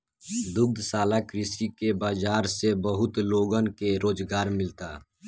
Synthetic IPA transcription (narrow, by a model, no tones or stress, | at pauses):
d̪ʊɡ̚d̪ʱsaːlakɾɪsikebaːd͡ʒaːɾsebəɦʊt̪loːɡənkeɾoːd͡ʒɡaːɾmɪlt̪aː